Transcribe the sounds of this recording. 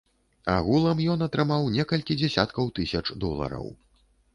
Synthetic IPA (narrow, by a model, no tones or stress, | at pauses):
a̰ɣulˠɐmjɔnɐt̪ɾɨmawnʲɛkɐlʲkʲid͡zʲɛsʲat̪kɐwt̪ɨsʲɐt͡ʂd̪ɔlˠɐ̰ɾɐ̰w